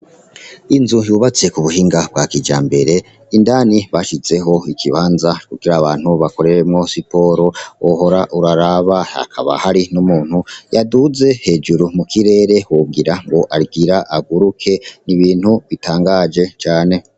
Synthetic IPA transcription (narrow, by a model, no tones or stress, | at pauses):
inzujuːβat͡se̞kuβuɦiːŋɡab̚ɡakid͡ʒaːmbe̞ɾe̞ | indaːniβaʃize̞ɦo̞ikiβaːnzakuɡ̥iɾaːβaːn̥huβako̞ɾe̞ɾemŋo̞sipo̞ɾo̞oɦo̞ɾaʔuɾaɾaβaa̰kʰa̰βa̰haɾinumuːn̥hujaduze̞he̞ːd͡ʒuɾumukiɾe̞ːɾe̞wub̚ɡiɾaŋɡo̞ʔaɾɡiɾaʔaɡuɾukʰe̞niβiːnhuβitaːŋɡaːd͡ʒe̞t͡ʃaːne̞